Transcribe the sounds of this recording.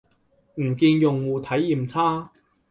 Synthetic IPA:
m̩˨˩kiː˧njʊ˨˩ŋwuː˨˧t̪ʰɐ˨˥jːiː˨mt͡sʰaː˥

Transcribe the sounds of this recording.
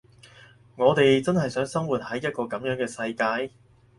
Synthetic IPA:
ŋɔː˨˧t̪e˨jt͡sɐ˥nhɐ˨˩jsœː˨˥ŋsɐ˥ŋwuː˨t̚hɐ˨˥jːɐ˥t̚kɔː˧kɐ˨˥mjœː˨˥ŋkɛː˧sɐ˧jkaː˧j

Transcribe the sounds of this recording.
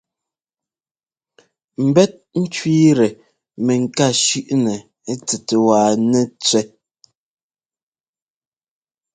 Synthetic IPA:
m̩˨bɛ˦t̚n̩˦t͡ʃwiː˦ɾɛ˨ | mɛ˨ŋ̩˨ka˦˨ʃʉ˦ʔnɛ˨˦ | t͡sɛ˨te˨waː˨nɛ˦t͡sɥɛ˦

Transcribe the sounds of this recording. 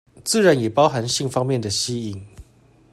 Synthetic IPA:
t͡sɹ̩˥˨ɻa˧˦njɛ˨˩pɑ˦ʊxa˧˥nɕi˥˨ŋfɑ˥ŋmjɛ˥˨nd̪ə˩ɕi˦˥i˨˩ŋ

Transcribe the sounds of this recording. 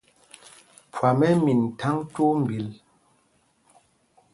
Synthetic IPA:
pʰwa˨mɛ˦mi˨n˨tʰa˦ŋto˦m̩˨bi˨l

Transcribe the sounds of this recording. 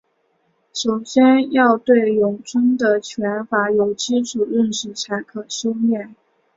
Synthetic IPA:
ʂo˨˩ʊɕjɛ˥njɑ˥˧ʊt̪we˥˩ɪjʊ˨˩ŋʈ͡ʂʰʊ˥ŋd̪ə˨t͡ɕʰɥɛ˧˥nfa˧˥jo˨˩ʊt͡ɕi˥ʂu˨˩ɻə˥˧nʂɻ̩˨˩t͡sʰa˧˥ɪkʰɤ˨˩ɕjo˥ʊmjɛ˥˩n

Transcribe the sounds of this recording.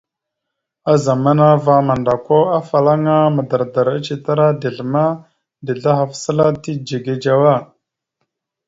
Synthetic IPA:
a˦za˨ma˦na˦va˦ma˨nda˨ko˦a˦fa˨la˦ŋa˦mə˨da˨ɾda˨ɾa˦t͡ʃi˨ta˦ɾa˦di˨ɮma˦ | di˨ɮa˦ɦa˨fsə˦la˦ti˦d͡ʒe˨ɡe˨d͡ʒa˨wa˦˨

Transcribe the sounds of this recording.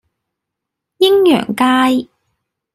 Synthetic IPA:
jɪ˥ŋjœ̰ː˨˩ŋkaː˥j

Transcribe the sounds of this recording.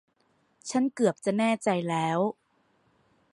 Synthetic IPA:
t͡ɕʰa˦˥nkɯ˨˩əp̚t͡ɕa˨˩nɛː˥˩t͡ɕa˧jlɛː˦˥w

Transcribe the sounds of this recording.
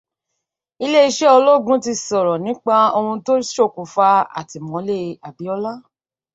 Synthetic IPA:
i˧le˦i˧ʃɛ˦o˧lo˦˨ɡũ˦ti˧sɔ˨ɾɔ˨nĩ˨˦k͡pa˦o˧ũ˧to˦ʃo˦˨ku˨fa˧a̰˨ti˨mɔ̃˨˦le˦˧a˨bi˨˦ɔ˧la˦

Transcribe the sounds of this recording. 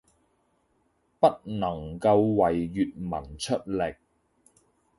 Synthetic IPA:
pɐ˥t̚nɐ˨˩ŋkɐ˧wwɐ˨jːyː˨t̚mɐ˨˩nt͡ʃʰɵ˥t̚lɪ˨k̚

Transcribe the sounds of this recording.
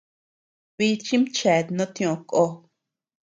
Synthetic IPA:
βi˧t͡ʃĩ˦mt͡ʃɛ˨t̪nõ˦t̪j̃õ˨˧ko˧

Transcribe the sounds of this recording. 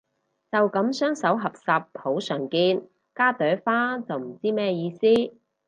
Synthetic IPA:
t͡sɐ˨wkɐ˨˥msœː˥ŋsɐ˨˥wɦɐ˨p̚saː˨pʰːo˨˥wsœː˨˩ŋkiː˧n | kaː˥t̪œː˨˥faː˥t͡sɐ˨wm̩˨˩t͡siː˥mɛː˥jiː˧siː˥

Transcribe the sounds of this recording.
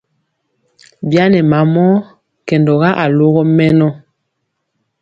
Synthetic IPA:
bja˦nɛ˨ma˨˦mɔ˦ | kɛ˨ndɔ˨ɣa˦ʔa˨lo˦ɣɔ˦mɛ˦nɔ˦

